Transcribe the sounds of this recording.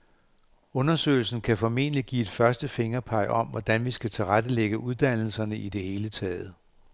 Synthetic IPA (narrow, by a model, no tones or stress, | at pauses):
ɔ̽nɐsø̰ːɪl̩sn̩kʰæfɒ̽me̝nəliɡ̥ḭːe̝d̥fɶɐsd̥əfe̝ŋɐpʰɑ̈ɪ̰ʔɒ̽m̰ʋɒd̥ænʋisɡ̥æt͡sʰe̝lʁad̥əleɡ̥əʔuð̞ˠd̥æn̰l̩sɐnəʔid̥e̝he̝ːlət͡sʰɛːð̩ˠ